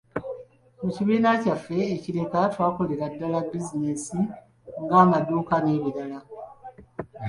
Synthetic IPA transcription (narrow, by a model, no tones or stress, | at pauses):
muciβiːnacafːe̞ːciɾe̞katwaːko̞le̞ɾadːalabizine̞si | ŋɡaːmaduːkane̞ːβiɾala